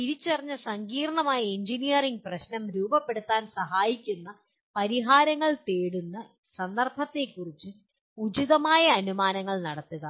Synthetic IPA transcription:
tiɾit͡ɕːɐrɐɲːɐsɐŋɡiːrɐɳɐmaːjɐiɲd͡ʑinijɐriŋɡ̚prɐɕnɐmɾuːbɐpːe̞ɽut̪ːaːnsɐɦaːjikʲːunːɐ | pɐɾiɦaːɾɐŋːɐɭt̪eːɽunːɐ | sɐnd̪ɐrbʱɐt̪ːe̞kːurit͡ɕːɨ | ud͡ʑiðɐmaːjɐːnumaːnɐŋːɐɭnɐɽɐt̪ːuɣɐ

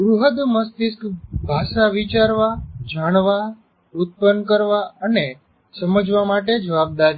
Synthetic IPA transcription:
ɡɾuɦəd̪məst̪iskbʱaʃaʋit͡ʃaɾʋad͡ʒaɽ̃ʋa | ut̪̚pənkəɾʋaəne | səməd͡ʒʋamaʈed͡ʒəʋab̚d̪aɾi

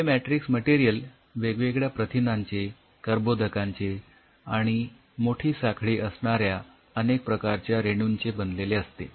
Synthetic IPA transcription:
emæʈɾiksməʈiɾijəl | ʋeɡʋeɡɭjapɾət̪ʰinãɲt͡se | kəɾbod̪ʱəkãɲt͡se | aɽ̃i | moʈʰiːsakʰɭiːʔəsɳaɾja | ənek̚pɾəkaɾt͡ɕjaɾeɽ̃unt͡sebənd̪leleəst̪ḛ

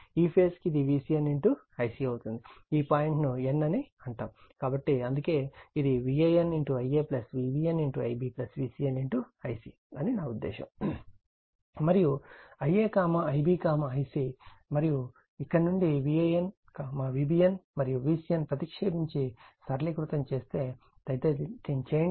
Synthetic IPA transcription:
iːpʰeːskiid̪iʋiːsijɐneɳʈu | ɐjsiːɐwut̪und̪iiːpaːjiɳʈnuenːɐniɐɳʈaːmkaːbɐʈːiɐnd̪uke̞ːid̪iʋiɐjeneɳʈuɐjeːplɐsʋiːbiːeneɳʈuɐ̰jbiːplɐsʋiːsiːɐneɳʈuɐjsḭ | ɐninaːud̪ːḛːʃɐ̰m | mɐɾijuɐjeːkaːmɐɐjbiːkaːmɐɐjsimɐɾiju | ikːɐɽnuɳɖiʋiɐjen | kaːmɐʋiːbiːjɐnmɐɾijuʋiːsijɐnpɾɐt̪ikʂeːbiɲt͡ʃisɐɾlikɾut̪ɐmt͡ʃe̞ːst̪e̞ː | t̪ɐjt̪eit̪int͡ʃeː

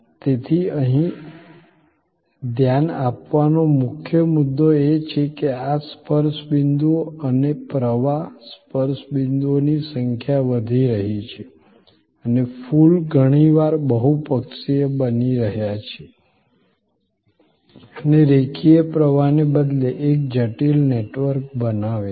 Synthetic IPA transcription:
t̪et̪ʰiəɦĩ | d̪ʱjanapʋanomʊkʰjəmud̪ːoet͡ʃʰekeaspəɾʃbɪnd̪uoənepɾəʋaspəɾsbɪnd̪uonisəŋkʰjaʋəd̪ʱiɾəɦit͡ʃʰe | ənefulɡʱəɽ̃iʋaɾbəɦupəkʃiebəniɾəɦjat͡ʃʰe | əneɾekʰiepɾəʋanebəd̪leʔek̚d͡ʒəʈilneʈʋəɾk̚bənaʋe

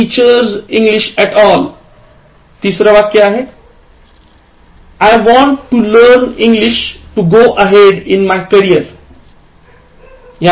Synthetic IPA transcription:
ʈiːt͡ʃəɾzĩŋɡliʃɛʈɔːl | t̪isɾəʋak̪jeaɦe | ajʋɔ̃ɳʈːuləɾnĩŋɡliʃʈuɡoːʔəɦeɖɪ̃nmajkəɾiəɾ | ja

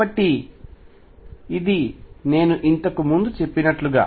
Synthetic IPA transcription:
bɐʈːi | id̪ine̞ːnuʔint̪ɐkumund̪ut͡ʃe̞pːinɐʈluɡa̰ː

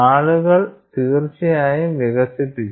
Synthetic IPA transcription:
aːɭuɣɐɭt̪iːrt͡ɕɐjaːjimʋeɣɐsiʈːi

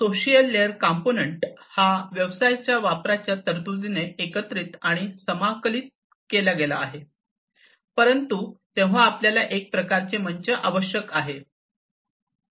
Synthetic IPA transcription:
soɕijəlːeəɾkamponəɳʈhaʋjəʋsajt͡ɕjaʋapɾat͡ɕjat̪əɾt̪ud͡z̪ineːkət̪ɾiːt̪aɽ̃isəmakəliːt̪̚ | keljaɡela̰ːɦe | pəɾənt̪ut̪ẽʋ̤aːpljalaʔek̚pɾəkaɾt͡seməɲt͡ɕəʔaʋəɕjəkaɦe

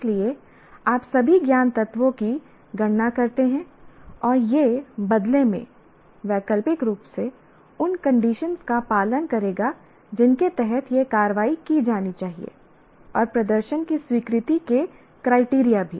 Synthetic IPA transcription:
lie | aːpsɐbʱiɡjaːnt̪ɐt̪ʋõki | ɡʱɐɽnakɐɾt̪eɦɛ̃ɔːɾjebɐd̪lemḛ̃ | ʋɛːkəlpɪkɾuːpse | ʊnkɐ̃ɳɖiːʃənskapaːlənkɐɾeːɡa | d͡ʒɪnket̪ɛɦɛt̪ʰjekaːɾəʋaːikid͡ʒaːnit͡ʃaːɦḭḛ | ɔːɾpɾɐd̪əɾʃənkiswiːkɾɪt̪ike | kɾaːɪʈiːɾijabʱiː

